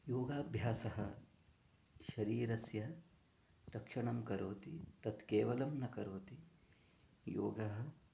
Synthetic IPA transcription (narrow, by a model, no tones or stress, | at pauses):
joːɡaːbʱjaːsɐɦɐ | ʃɐɾiːɾɐsjɐ | ɾɐkʂɐɳɐmkɐɾoːt̪it̪ɐt̪keːʋɐlɐmnɐkɐɾoːt̪i | jo̰ːɡɐɦɐ̆